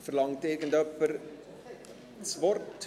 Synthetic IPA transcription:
fərlɑŋteɡəndəpər | svɔrtʰː

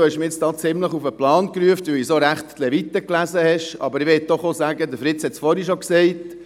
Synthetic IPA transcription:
ohɛʃməɾjɛt͡st̪ɑːt͡sɪmləχufəplɑːnkɾyəft̪ʋɪisoɾæχt̪ːlɛvit̪ːəklæzəhɛʃɑ̰bəɾɪʋɛt̪̚d̥̪ɔχozæːɡəd̪əfɾɪt̪t͡shɛt̪sfɔɾiʃɔksɛɪt̪

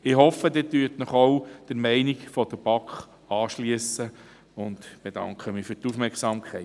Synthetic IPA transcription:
ɪɦɔfːəd̪ɪːtyətnəχowd̪̥əɾmɛɪnikfɔd̪əɾb̥ɑkχ | ɑːʃliəsə | ʊnd̪b̥ed̥̪ɑ̰ŋkχəmɪfyːɾtufmɛɾksɑmkʰɛɪ

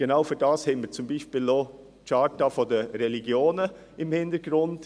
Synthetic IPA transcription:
ɡ̥enaʊfyɾdɑːshɛɪnməɾt͡sʊmbiːʃpiːlːoː | t͡ʃɑːtafodəɾɛliɡ̥joːnə | ɪmhɪnd̥əɾɡɾʊnd̥

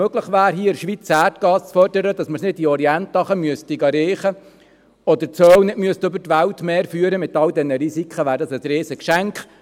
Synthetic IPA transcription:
øɡ̥ləχʋæːɾɦiːɪɾʃʋit͡sæːrtɡ̥ɑːst͡sfœrdəɾəd̥ɑsməɾsnɪdiɔɾiɛnt̪ːɑχəmyəstiɡɑɾeːχə | ɔd̪əɾt͡sœːwnɪdmyəst̪ʏbəɾtʋæltmeːɾfyːəɾəmɪt̪ɑldɛnəɾisikχəʋæːɾdɑsəsɾeːsəkʃæŋkχ

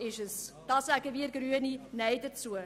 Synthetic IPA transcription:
ɪʃəsd̥ɑsæɡəviəɾɡryəninɛjdət͡suə

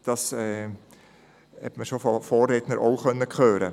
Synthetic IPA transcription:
d̥ɑsɛː | hɛ̰tməʃofɔfoːrːednəɾʔoʊχœnːəkχøːɾə̰

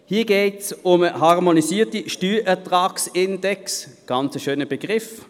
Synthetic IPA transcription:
hiːɐɡeːtsʊməhɑʁmonisiːɐtiʃtyːʔɛɐtʁɑːksɪndɛksɡ̥ɑnt͡səʃøːnəb̥əɡ̥ʁɪf

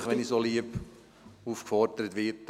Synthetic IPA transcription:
χʋɛnisoliəb | uːfkfɔrdəɾət̪ʋɪt

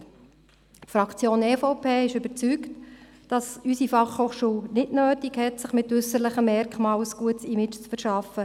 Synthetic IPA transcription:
tfɾɑkt͡sjoːnɛːfoʊpʰeːɪʃʏbəɾt͡sykt | d̥ɑsysifɑχhoːχʃuːwnɪdnøːtikhɛtsɪχmɪtɵsəɾləχəmːɛrkχmɑːwsɡ̥uətsimɪt͡ʃt͡sfəɾʃɑfə

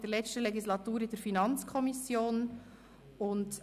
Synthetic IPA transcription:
d̥əɾlɛt͡ʃtəlɛɡislɑt̪uːɾɪdəɾfinɑnt͡skʰɔmisjoːn | ʊnd

